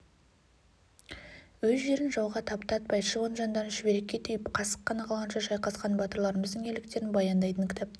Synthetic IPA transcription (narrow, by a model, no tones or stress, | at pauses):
wɵzʒe̞ɾɪnʒɑwʁɑt̪ʰɑpt̪ɑt̪̚bɑj̪ʃəvonʒɑnd̪ɑnʒɪbe̞ɾe̞kʲːe̞t̪ʰʏjɪpqʰɑsə̥qʰːɑnɑqʰɑlˠʁɑnʃɑʒɑjqɑsqɑnbɑt̪əɾlˠɑɾəməzd̪əŋe̞lɪkt̪e̞ɾɪnbɑjɑnd̪ɑjt̪ənŋkʲʰɪ̥t̪ʰɑp̚t̪